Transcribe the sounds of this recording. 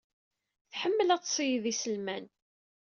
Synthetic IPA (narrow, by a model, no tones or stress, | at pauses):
θħəmːəlætːsˤijðisəlmæn